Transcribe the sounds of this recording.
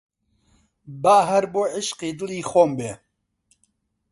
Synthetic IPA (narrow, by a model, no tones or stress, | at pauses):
baːɦɛɾboːʕɪʃqiːd̪ɨliːxoːmbeː